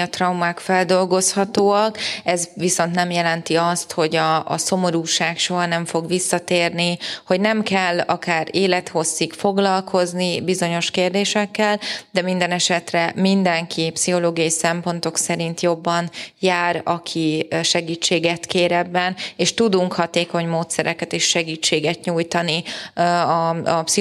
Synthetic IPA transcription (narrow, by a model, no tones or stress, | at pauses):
ɒt̪rɒwmaːkfɛld̪o̞lɡo̞shɒt̪oːɒkɛzʋiso̞nt̪nɛmjɛlɛnt̪iɒst̪ho̞ɟɒ̰ːso̞mo̞ɾuːʃaːkʃo̞ɦɒnɛɱfo̞ɡʋisːɒt̪eːrniho̞ɟnɛmkɛlːɒkaːɾeːlɛt̪ho̞sːikfo̞ɡlɒlkʰo̞znibizo̞ɲo̞ʃkeːrd̪eːʃɛkːɛld̪ɛmind̪ɛnɛʃɛt̪rɛmind̪ɛŋkʰipsiɦo̞loːɡijɒjisɛmpo̞nt̪o̞ksɛɾint̪jo̞bːɒnjaːɾɒkʰiʃɛɡiːt͡ʃːeːɡɛt̪keːɾɛbːɛneːʃt̪ud̪uŋkhɒt̪eːko̞ɲmoːt̪sɛɾɛkɛt̪eːʃʃɛɡiːt͡ʃːeːɡɛt̪ɲuːjt̪ɒni | ɒpsi